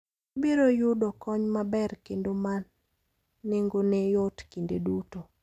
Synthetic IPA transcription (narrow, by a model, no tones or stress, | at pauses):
obiɾojʊdɔkɔɲmabɛrkendomanː | ɪŋɡonejɔtkindḛduto